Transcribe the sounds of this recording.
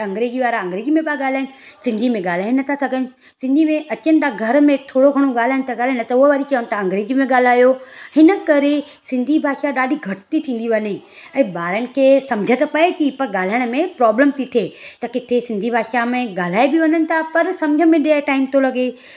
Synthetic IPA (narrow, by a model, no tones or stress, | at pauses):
ɐ̃ŋɡɾeːd͡ʑiʋaːɾaɐ̃ŋɡɾeːd͡ʑimẽɓaɡaːl̤aːɪnɪ̆sɪ̃nd̪ʱimẽɠaːl̤aːɪ̃nɐt̪ʰasɐɡʱənɪ | sɪ̃nd̪ʱimẽʔɐt͡ɕənɪ̆t̪ʰaɡʱɐɾmẽt̪ʰoːɽoɡʱɐɽ̃oɡaːl̤aːɪɽ̃ɪt̪ʰaɡaːl̤ɦanɐt̪ɐʊɦaʋaːɾit͡ɕɐʋənɪt̪ʰaɐ̃ŋɡɾeːd͡ʑimẽɠaːl̤aːjohɪnəkɐɾesɪ̃nd̪ʱibʱaːʃaɗaːɗʱiɡʱɐʈt̪it̪ʰĩːn̆d̪iʋɐniɛ̃ːbaːɾənɪ̆kʰeːsɐ̃md͡ʑʱət̪ɐpɐet̪ʰipɐɾɠaːl̤aːjəɽ̃mẽpɾɔːbləmt̪ʰit̪ʰieːt̪ɐkɪt̪ʰesɪ̃nd̪ʱibʱaːʃamẽɡaːl̤aːebɪʋɐnənɪ̆t̪ʰapɐɾsɐ̃md͡ʑʱəmẽɗeeʈaːɪmt̪ʰolɐɡe